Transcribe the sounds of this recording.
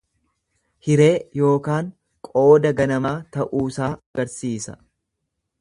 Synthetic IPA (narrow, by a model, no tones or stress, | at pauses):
hɪɾe̞ːjo̞ːkaːŋ | kʼo̞ːd̪ɐɡɐnɐmaːt̪ɐʔuːsaːɐɡɐɾsiːsɐ̥